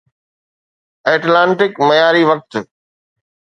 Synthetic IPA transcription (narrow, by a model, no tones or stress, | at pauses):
eːʈlãːɳʈɪkmɐjaːɾiʋɐk̚t̪